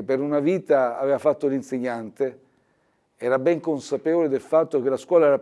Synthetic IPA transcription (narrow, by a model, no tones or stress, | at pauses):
epːeɾunaviːt̪aaveːvafat̪ːolinseɲːant̪e | ɛːɾabɛŋkonsapeːvoled̪elfat̪ːok̟elaskwɔːlaɛːɾa